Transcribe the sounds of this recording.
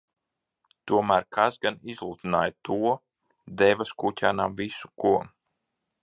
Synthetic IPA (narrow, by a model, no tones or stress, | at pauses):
t̪uɔmæːɾkʰasɡanizlˠuːt̪inaːjat̪ʰuɔ | d̪ɛvaskucʲaːnamvisu̥kuɔ